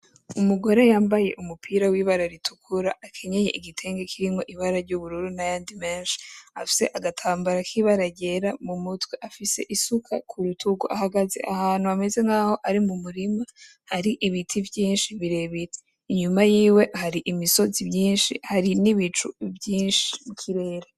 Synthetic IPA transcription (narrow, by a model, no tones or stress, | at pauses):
umuɡo̞ɾejaːmbaje̞̰ʔumupʰiːɾawiːβaɾaɾitʰukʰuɾaʔakʰe̞ɲe̞jeʔiɡitʰe̞ːŋɡekʰiɾimo̞ʔiβaɾaɾɟuβuɾuɾunajaːndime̞ːnʃi̥afi̥se̞̰ʔaɡatʰaːmbaɾakʰiβaɾaɟe̞ɾamumutwe̞ʔafise̞̰ʔisukʰa̰kʰuɾutʰuɡuʔahaɡazḛʔahaːn̥huame̞ze̞ŋɡaːho̞ʔaɾimumuɾima | haɾiʔiβitʰivjiːnʃiβiɾe̞βite | iɲumajiːwe̞haɾiʔimiso̞zibjiːnʃḭhaɾiniβit͡ʃuvjiːnʃi̥kʰiɾe̞ɾa